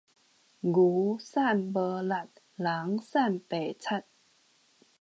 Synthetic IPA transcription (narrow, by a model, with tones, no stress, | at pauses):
ɡuː˨˩˦saː˥˩nbɤː˧la˨˩t̪̚ | laː˨˩˦ŋsaː˥˩npɛː˨˩t͡ɕʰa˧˥˩t̪̚